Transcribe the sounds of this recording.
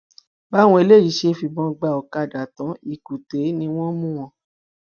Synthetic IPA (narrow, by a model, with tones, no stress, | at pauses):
ba˦w̃ɔ̃˧e˧le˦˨ji˨˦˨ʃe˧fi˧bɔ̃˧ɡ͡ba˧˨ɔ˨ka˧˨da˨tɔ̃˨˦i˦˨ku˨te˨˦nĩ˧w̃ɔ̃˦mũ˦w̃ɔ̃˧˦